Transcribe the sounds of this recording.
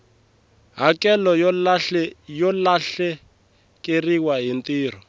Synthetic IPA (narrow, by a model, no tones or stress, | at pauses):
ɦakɛlɔ | jɔlaɬɛ | kʼeriwaɦintiːr̤ɔ